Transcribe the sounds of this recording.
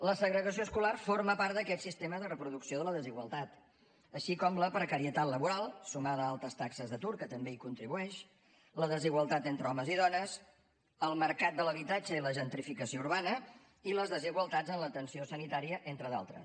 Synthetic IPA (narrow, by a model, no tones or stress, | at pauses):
ləsəɣɾəɣəs̬ioskularforməpart̪d̪əkɛt̪sist̪eməzðərəpɾuðuksioðələðəziɣwəlˠt̪at̪ | əʃikɔmləpɾəkəɾiət̪at̪ləβuɾalˠsumaðəalˠt̪əst̪aksəzðət̪uɾkət̪əmbeikunt̪ɾiβuɛʃ | ləðəziɣwəlˠt̪at̪ent̪ɾəɔməziðɔnəs | əlˠməɾkat̪̚d̪ələβit̪ad͡ʒəiləʒənt̪ɾifikəsiouɾβanə | iləzðəziɣwəlˠt̪ad͡zənlət̪ənsiosənit̪aɾiəʔent̪ɾəða̰lˠt̪ɾə̰s